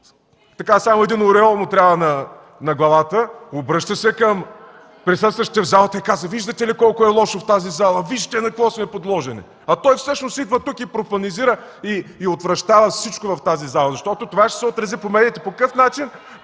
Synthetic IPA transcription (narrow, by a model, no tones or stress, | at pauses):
t̪ɐkasamʊɛd̪inʊɾɛɔlˠmʊt̪ɾʲavənɐ | nɐɡlˠɐlˠat̪əobɾɤʃt̪əsɛkəm | pɾisəst̪vɐʃt̪ɛvzalˠət̪ikazəviʒd̪ɐt̪ɛlikɔlˠkʊɛlˠɔʃoft̪azizalˠɐviʒi̥t̪ɛnɐklˠɔsnɛpod̪lˠɔʒɛnɛ̰ | ɐt̪ɔjfsɤʃnʊsid̪vət̪ukipɾopɐniziɾəiːot̪vɾɐʃt̪avəfsit͡ʃkʊvɐft̪azizalˠɐzɐʃt̪ɔt̪ʊt̪ovaʃt̪ɛ̥sɛot̪ɾɐzipomɛd̪it̪ɛpokɐkɤfnat͡ʃin